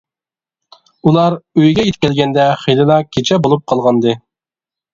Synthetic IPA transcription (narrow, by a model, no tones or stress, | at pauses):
ulˠɑɾøjɡʲɛjet̪kʲɛlɡʲɛnd̪ɛχilˠɨlˠɑkʲʰet͡ʃʰɛbolˠup̚qʰɑlˠʁɑnd̪ɨ